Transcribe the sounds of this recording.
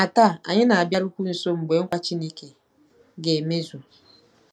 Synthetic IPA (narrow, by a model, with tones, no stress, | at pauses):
a˨ta˦˨a˨ɲɪ˦na˨a˨bja˦ɾu˦kʷu˦n̩˨so˦m̩˨ɡ͡be˨˦ŋ̩˦kʷa˦t͡ʃi˦ni˦ke˨ | ɡe˨me˦zu˨